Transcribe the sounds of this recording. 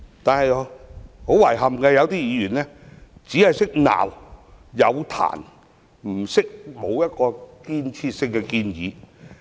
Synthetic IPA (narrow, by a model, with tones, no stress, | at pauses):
t̪aː˨nhɐ˨jho˨˥wɐ˨˩jɦɐ˨mkɛː˧jɐ˨˧wt̪iː˥jiː˨˧jyː˨˩nlɛː˥t͡siː˨˥hɐ˨jsɪ˥k̚na̰ː˨˩wjɐ˨˧wt̪ʰa̰ː˨˩n | m̩˨˩sɪ˥k̚mo˨˧wjɐ˥t̚kɔː˧kiː˧nt͡sʰiː˧t̚sɪ˧ŋkɛ˧kiː˧njḭː˨˧